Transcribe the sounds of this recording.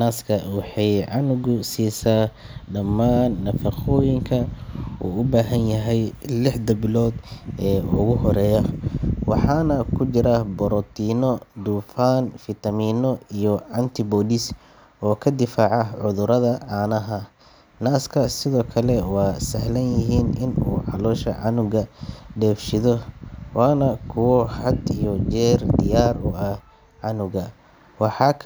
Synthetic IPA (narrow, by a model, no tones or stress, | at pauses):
naːskʰɐwɑħɑjʕɑnʊɣʊsiːsaː | ɖɐmːaːnːɐfɐqɔːjɪŋkʰɐṵːʊbaːɦɐnjɐɦɛjlɪħd̪ɐbɪlɔːd̪ɛːʊɣʊɦɔɾɛːjɐwɑħɑːnɐkʰʊt͡ʃɪɾɐbɔɾɔt̪ʰiːnɔd̪uːfaːnfɪt̪ʰɐmiːnɔijɔʕɐnt̪ʰɪbɔːlɪs | ɔːkʰɐd̪ɪfaːʕɑʕʊðʊɾɐðɐʔaːnɐɦɐ | naːskʰɐsɪðɔːkʰɐlɛwɑːsɐhlɐnjɪɦiːnɪnṵːʕɑ̰lɔːʃɐ̰ʕɑnʊɣɐɖɛːfʃɪðɔwaːnɐkʰʊwɔhɐd̪ijɔt͡ʃɛːrd̪ɪjaːrʊɐh | ʕɑnʊɣɐ | wɑħɑ